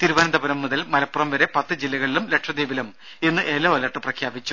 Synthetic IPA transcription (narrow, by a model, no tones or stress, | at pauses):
t̪iɾuʋaːnɐd̪ɐbɐɾɐmːuðɐlmɐlɐpːurɐmʋɐɾe̞pɐt̪ːɨd͡ʑilːɐɣɐɭilumle̞ʈʂɐd̪iːʋɐlum | enːɨʔelːɐːʋɐlɐʈːɨprɐkʰjaːbit͡ɕːu